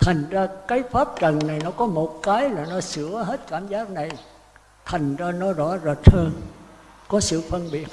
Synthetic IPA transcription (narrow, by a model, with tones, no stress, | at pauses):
t̪ʰa˨˩jŋ̟zaː˧kaː˨˦jfaː˦˥p̚t͡ɕə˨˩ŋna˨˩jnɔ˨˦kɔ˨˦mo˨˩t̚kaː˨˦jlaː˨˩nɔ˨˦sɨ̰˧˥əɦe˦˥t̚kaː˧˩mzaː˦˥t̚na˨˩j | t̪ʰa˨˩jŋ̟zaː˧nɔ˨˦zɔ̰˧˥zə˨˩t̚həː˧n | kɔ˨˦sɨ̰˧˨fə˧nɓi˨˧˨ət̚